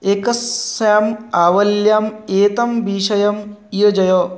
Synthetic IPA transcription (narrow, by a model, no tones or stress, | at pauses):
ekɐsaːmaːʋɐljaːmeːt̪ɐmbiːʃɐjɐmiɐd͡ʒɐjoː